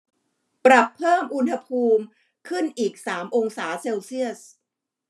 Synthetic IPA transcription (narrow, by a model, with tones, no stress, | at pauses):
pɾa˨˩pʰːɤː˥˩mʔu˧nha˧pʰuː˧m | kʰɯ˥˩nʔiː˨˩k̚saː˩˦mʔo˧ŋsaː˩˦seː˧wsi˥˩əs